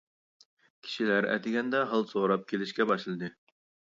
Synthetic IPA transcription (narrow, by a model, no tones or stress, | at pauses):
kʲʰi̥ʃilæɾɛ̰t̪ʰɪɡʲɛnd̪ɛɦɑlˠsoɾɑp̚kʲʰelɪʃkʲɛbɑʃlˠɨd̪ɨ